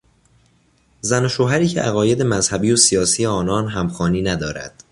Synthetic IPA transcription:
zænoʃoːɦæɾiːcʰḛʔæɣɒːje̞d̪e̞mæzhæbiːosijɒːsijeɒːnɒːnɦæmxɒːniːnæd̪ɒːɾæ̰d̪̥

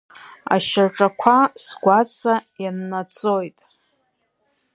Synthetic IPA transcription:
a̰ʃaʈ͡ʂʼakʷʰasɡʷat͡sʼajanːat͡sʼojtʼ

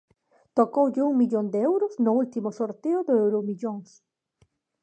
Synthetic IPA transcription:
t̪okowʎɪuŋmiʎond̪eɛwɾʊznʊult̪imʊsoɾt̪eʊðʊewɾomiʎoŋs

